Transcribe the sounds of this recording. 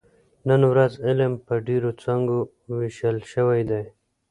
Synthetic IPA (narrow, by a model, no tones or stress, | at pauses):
nənwɾazɪlmpəɖeɾot͡saŋɡo | wɪʃəlʃəwajd̪aj